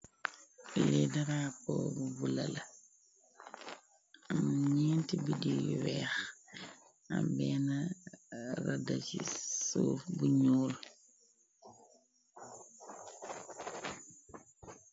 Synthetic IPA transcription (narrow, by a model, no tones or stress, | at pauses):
lidaɾapɔbubula̰la | amɲiːntibidijwɛːx | ambɛːna | radasisuːfbuɲuːl